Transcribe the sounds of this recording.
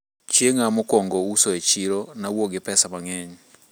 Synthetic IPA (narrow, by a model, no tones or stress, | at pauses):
t͡ʃjeŋamokɔŋɡɔusoet͡ʃiɾonawoɡɪpɛsamaŋɛɲ